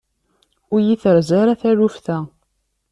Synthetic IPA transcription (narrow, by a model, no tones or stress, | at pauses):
ʊɾjiθəɾzaɾaθæɾufθæ